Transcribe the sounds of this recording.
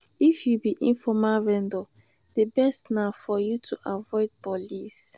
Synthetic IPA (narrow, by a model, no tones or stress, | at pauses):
ifjubiʔĩnfɔmaɹɛ̃ndɔ | debɛstnaʊfɔjutʰuʔavɔɪd̚bɔlis